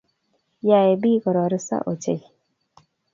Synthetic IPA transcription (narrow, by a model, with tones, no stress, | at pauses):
ja˨e˨bi˦kɔ˨ɾɔ˨ɾə˦sa̰˦ʔo˨t͡ʃe˦˨